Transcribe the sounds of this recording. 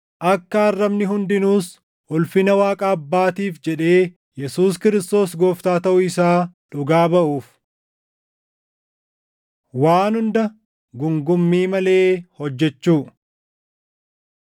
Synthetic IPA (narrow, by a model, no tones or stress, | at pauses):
ʔɐkːɐɐrːɐbnɪɦʊnd̪ɪnuːs | ʊlfɪnɐwaːkʼaːɐbːaːt̪iːfd͡ʒɛᶑe̞ː | jɛsuːskɪɾɪst̪o̞ːsɡo̞ːft̪aːt̪ɐʔʊɪsaːᶑʊɡaːbɐʔuːf | waːnhʊnd̪ɐ | ɡʊŋɡʊmːiːmɐle̞ːhɔd͡ʒːɛt͡ʃːuː